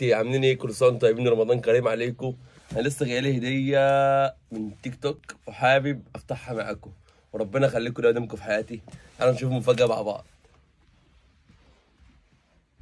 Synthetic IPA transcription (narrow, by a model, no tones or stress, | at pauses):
iʕamlinikolsˤɑːnt̪ˤɑjbiːnɾˤɑmɑd̪ˤɑːnkæɾiːmʕaleːko | ʔænælesːæɡæʔælihed̪ejːæ | mɪnt̪ikt̪okweħaːbeb̚ʔæft̪aħhæma̰ʕæko | weɾˤɑbːenɑʔæxælːiːkʊd̪æwd̪æmkofi̥ħajæːt̪iʔænæbæʃuːfmofæɡːæma̰ʕbɑ̰ʕd̪̥ˤ